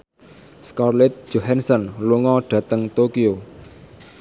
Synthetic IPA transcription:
skɔrlɛt̪̚d͡ʒ̥oɦɛnsɔnluŋɔɖ̥ä̤t̪əŋt̪okio

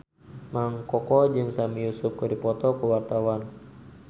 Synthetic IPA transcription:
maŋkɔkɔd͡ʒɨŋsamijusʊp̚kədipɔt̪ɔkəwart̪awan

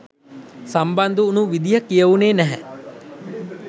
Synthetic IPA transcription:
samband̪uːnuʋid̪ijəkijəʋuneːnæɦɛ̰

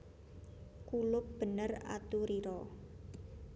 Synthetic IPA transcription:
kulʊp̚b̥ə̤nəra̰t̪uɾiɾɔ

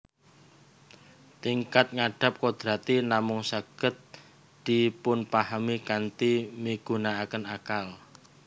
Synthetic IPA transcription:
t̪iŋkat̪̚ŋaɖ̥a̤p̚kod̪̥ɾat̪inamʊŋsaɡ̥ə̤t̪̚ | d̪̥i̤pʊnpahamikant̪imiɡ̥unaakənakal

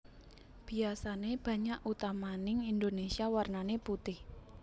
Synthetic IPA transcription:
b̥i̤asaneb̥ä̤ɲaʔut̪amanɪŋind̪onesiawarnaneput̪ɪh

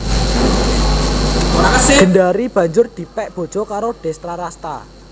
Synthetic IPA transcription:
ndaɾib̥a̤ɲd͡ʒʊrd̪̥i̤pɛʔb̥o̤d̥ʒ̥ɔkaɾoɖ̥ɛ̤st̪ɾaɾast̪a̰

